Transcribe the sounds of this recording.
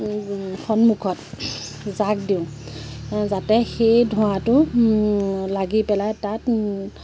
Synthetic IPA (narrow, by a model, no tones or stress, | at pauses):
xʰɔnmukʰɔt̚ | zak̚diʊ̃ | zatɛxejdʱʊ̃atʊ | laɡipɛlajtat